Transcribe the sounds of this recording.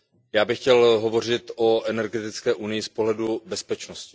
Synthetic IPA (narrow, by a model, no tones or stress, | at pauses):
jaːbɪxcɛlɦovo̞r̝ɪt̪oʔɛnɛɾɡɛt̪ɪt͡skɛːʔunɪjɪspoɦlɛdubɛspɛt͡ʃnoscɪ̥